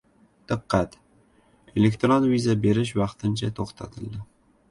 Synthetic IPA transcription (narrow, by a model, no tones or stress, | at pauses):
d̪̥ɨqːɑt̪ | elekt̪ɾonvizabe̞ɾɪʃ̬vɑqt̪ʰɪnt͡ʃʰat̪ʰoχt̪ʰa̰t̪ʰɪlˠd̪ɪ